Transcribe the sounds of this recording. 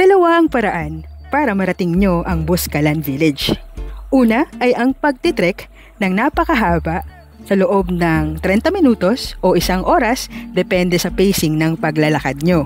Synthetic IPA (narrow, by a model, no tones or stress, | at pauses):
t̪ɐlɐwaʔɐŋpɐɾɐʔanpaːɾɐmɐɾɐt̪ɪŋɲo̞ʔɐŋbʊskɐlɐnvilɪd͡ʒʔuːnɐʔɐjʔɐŋpɐɡ̚t̪ɪt̪ɾɛk | nɐŋnapɐkɐɦaːbɐʔ | sɐloʔo̞bnɐŋt̪ɾɛnt̪ɐmɪnuːt̪o̞sʔo̞ʔɪsaŋʔo̞ːɾɐsd̪ɛpɛnd̪ɛsɐpejsɪŋnɐŋpɐɡlɐlɐkad̪̚ɲo̞